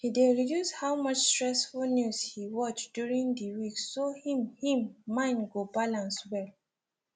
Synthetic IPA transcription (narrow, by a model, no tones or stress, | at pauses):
hideɹidjushawmʌt͡ʃstɹɛsfulnjushiwɔt͡ʃd̥juɹĩndiwiksːohĩmhĩmːãɪ̃nɡobalãnswɛl